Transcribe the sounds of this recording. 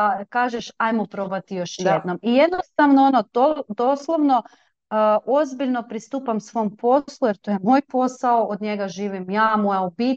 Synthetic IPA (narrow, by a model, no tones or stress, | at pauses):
kaːʒeʃajmopɾobat̪ijo̞ʃjjed̪nomije̞d̪nost̪aʋnoonod̪od̪o̞slˠoʋno | ʔo̞zbiʎno̞pɾist̪uːpamsʋo̞mpʰo̞slˠujeɾt̪o̞jemo̞ːjpo̞saoʔod̪ɲe̞ɡaʒiːʋimjaːmojaobit̪